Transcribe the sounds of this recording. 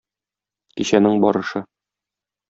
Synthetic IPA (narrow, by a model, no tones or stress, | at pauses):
kiɕænɘŋbɒɾɤ̆ʃɤ